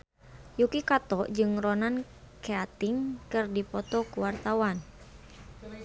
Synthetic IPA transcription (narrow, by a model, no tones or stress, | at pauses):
jukikat̪ɔʔd͡ʒɨŋrɔnan | keat̪iŋkɨrdipɔt̪ɔkuwart̪awan